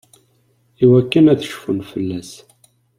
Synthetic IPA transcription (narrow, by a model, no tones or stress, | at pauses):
iwækːənæθʃfənfəlːæs